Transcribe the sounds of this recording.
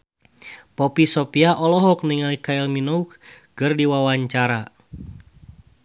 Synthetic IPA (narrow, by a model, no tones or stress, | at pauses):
pɔpisɔpiaʔɔlɔɦɔk̚niŋalikaɛlminɔuk | ɡɨrdiwawaɲt͡ʃaɾa